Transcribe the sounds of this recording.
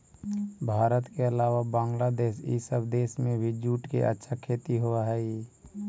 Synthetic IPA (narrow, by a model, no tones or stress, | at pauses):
bʱaːɾət̪keəlaːʋabãːŋɡlad̪eːʃḭːsəbd̪eːsmẽbʱɪd͡ʒuːʈkḛʔə̰tːʃʰakʰeːt̪iɦoaɦɛːi